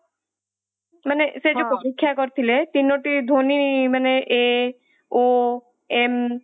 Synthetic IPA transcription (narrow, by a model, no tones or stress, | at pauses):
manesed͡ʒopɔɾikʰːjakɔɾt̪ʰilet̪inːoʈid̪ʱonimaneʔe | o | em